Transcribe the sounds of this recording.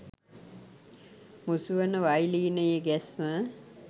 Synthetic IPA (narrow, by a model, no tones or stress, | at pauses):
musuʋənəʋajliːnəjəɡɛsmə